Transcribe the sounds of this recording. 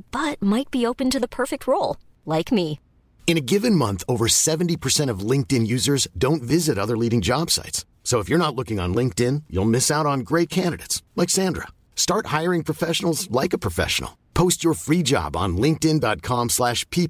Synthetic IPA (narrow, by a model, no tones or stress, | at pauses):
b̥ʌt̚maɪt̚b̥ioʊpɨ̃ntɨðəpʰɜ˞fɪk̚t̚ʰɹoʊlˠ | laɪkmi | ɨ̃ñɨɡɪvɨ̃nmʌ̃nθoʊvə˞sɛṽn̩tipʰə˞sɛ̃ɾ̃ʌvlɪ̃ŋk̚tɨ̃njʉzə˞zdõʊ̃ntvɪzɨɾʌðə˞liɾɪ̃ŋd͡ʒɑb̥sa̰ɪts | soʊəfjə˞nətˡlʊkɪ̃ŋə̰̃nlɪ̃ŋk̚tɪ̃njṵlˠmɪsaʊɾn̩ɡɹeɪt̚kʰæ̃ndɨɾḛtslaɪksæ̃ndɹə̰ | stɑɹt̚haɪə˞ɪ̃ŋpʰɹ̥ɨfɛʃn̩l̩ˠzlaɪkɨpʰɹ̥ɨfɛ̰ʃə̰n̩l̩ˠ | pʰoʊst͡ʃə˞fɹid͡ʒɑ̰bn̩lɪ̃ŋk̚tɪ̃ndɑt̚kʰɑ̃mslæʃpʰi